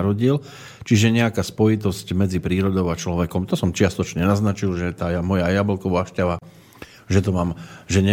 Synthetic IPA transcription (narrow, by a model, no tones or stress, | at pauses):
ɾɔɟil | t͡ʃiʒɛɲɛakaːspɔjit̪̬ɔscmɛd͡zipɾiːɾɔd̪ɔʊat͡ʃlɔʋɛkɔmt̪ɔsɔmt͡ʃɪast̪ɔt͡ʃɲɛɛnaznat͡ʃilʒɛt̪aːjamɔjajabɛlkɔʋaʃcaʋa | ʒɛt̪ɔmaːmʒɛɲɛ